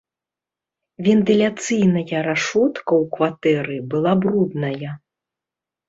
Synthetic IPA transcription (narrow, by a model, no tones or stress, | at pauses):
vʲɛnt̪ɨlʲat̪sɨjnɐjɐɾaʂɔt̪kɐwkvat̪ɛɾɨbɨlˠabrud̪nɐjɐ